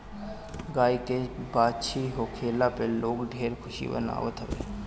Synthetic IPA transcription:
ɡaːikebaːt͡ʃʰiɦokʰeːlapeloːkɖʱeːɾkʰʊʃḭbə̰na̰ːʋət̪ɦəʋḛː

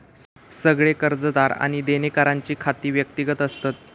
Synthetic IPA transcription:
səɡɭekəɾd͡zəd̪aɾa̰ɽ̃id̪enekaɾaɲt͡ɕiːkʰat̪iːʋjək̚t̪iɡət̪əst̪at̪

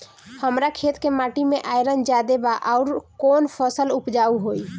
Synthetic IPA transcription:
həmɾakʰet̪kemaʈimeʔajɾənd͡ʒad̪ebaʔaʊɾkonpʰəsəlupd͡ʒauɦoi

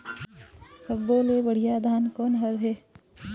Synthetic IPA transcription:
səbːoːlebəɽ̤ijad̪ʱaːnkoːnɦəɾɦeː

